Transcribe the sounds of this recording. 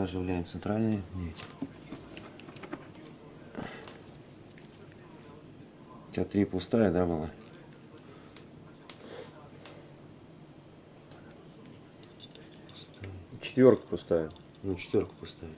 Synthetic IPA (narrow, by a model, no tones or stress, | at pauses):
aʐɨvlʲæjɪt̪sɨnt̪ɾalʲnɨjəmʲetʲɪ̥ | ʊtʲat̪ɾʲipʊst̪ajəd̪abɨlˠa | ʊ̥st̪ajət͡ɕɪ̥t̪vʲorkə̥pʊst̪ajə | nut͡ɕɪ̥t̪vʲo̞rkə̥pʊst̪ajə